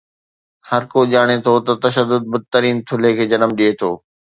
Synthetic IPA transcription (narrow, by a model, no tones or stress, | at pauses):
hɐɾkoʄaːɽ̃et̪ʰot̪ɐt̪ɐʃəd̪ːʊd̪̚bɐd̪̚t̪əɾiːnt̪ʰʊlekʰeːd͡ʑɐnəmɗiet̪ʰoː